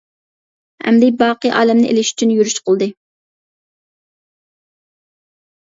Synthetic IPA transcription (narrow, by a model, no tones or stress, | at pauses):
hɛ̰md̪ɪbɑːqɨʔɑ̰ːlɛmnɪʔḛlɪʃy̥t͡ʃʰynjyɾyʃqəlˠd̪ɨ